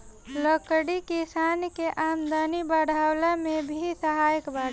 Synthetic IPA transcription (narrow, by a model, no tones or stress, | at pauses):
ləkɽikisankeʔamd̪ənibəɽ̤ʱawlamebʱisəɦaːjəkbaɽ